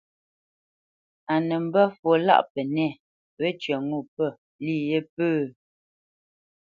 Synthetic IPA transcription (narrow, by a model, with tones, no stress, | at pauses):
a˨nə˨m̩˦bə˦fwo˨la̰˦˨ʔpə˨nɛ˦˨ | wə˦t͡ʃɥə˨ŋu˦˨pə˦˨ | li˦˨je˦pəː˦